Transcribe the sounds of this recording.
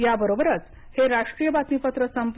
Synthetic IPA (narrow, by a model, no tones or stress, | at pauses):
jabəɾobəɾət͡s | heɾaʂʈɾijəbat̪nipət̪ɾəsəmp